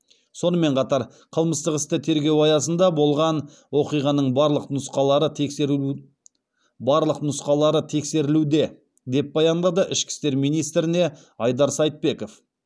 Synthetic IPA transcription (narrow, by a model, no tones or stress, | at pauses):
so̞nəme̞ɴqʰɑt̪ɑɾ | qʰəlˠməst̪əqɪst̪ət̪ʰe̞ɾɡʲe̞wɑjɑsənd̪ɑbo̞lˠʁɑn | wo̞qijʁɑnəɴbɑɾlˠəqnʊsqɑlˠɑɾət̪ʰe̞ke | bɑɾlˠəqnʊsqɑlˠɑɾət̪ʰe̞kse̞ɾɪlud̪e̞ | d̪e̞p̚bɑjɑnd̪ɑd̪əʔɪʃkʲɪ̥st̪e̞ɾmijnijst̪ɾɪne̞ | ɑjd̪ɑɾsɑjt̪̚pe̞ko̞f